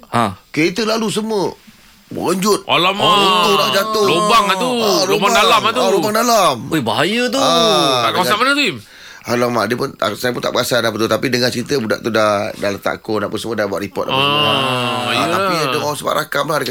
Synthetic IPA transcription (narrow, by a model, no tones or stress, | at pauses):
akeit̪ulalus̬əmə | mə̰əɲd͡ʒʊt̪̚alamut̪unaʔd͡ʒat̪ʊlobaŋaulobadalamat̪lobaŋdalamobaɦajət̪̬uakawasamənət̪ui | alamadiəpʊnsajəp̬unt̪aʔbəɡasanapət̪ut̪apidəŋant͡ʃəɾit̪əbuda̰ʔt̪udadalət̪a̰ʔkonaʔpunsəmədabwaʔ̪ɾipɔ̰t̪̚ʔa̰pə | j̪aidəŋɔasəba̰ʔɾakamlahdəka